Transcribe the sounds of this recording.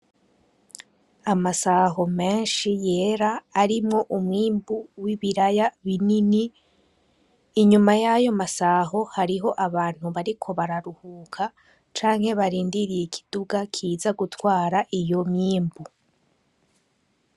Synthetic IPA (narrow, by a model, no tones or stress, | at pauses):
amasaɦo̞me̞ːnʃije̞ːɾaːɾimŋo̞ʔumŋiːmbuwiβiɾajaβinini | ɲumajajo̞masaɦo̞haɾiɦo̞ʔaβaːn̥huβaɾikʰo̞βaɾaɾuhuːkʰa | t͡ʃaːŋhe̞βaɾiːndiɾijekʰi̥d̥uɡakʰiːzaɡutwaːɾaʔijo̞miːmbu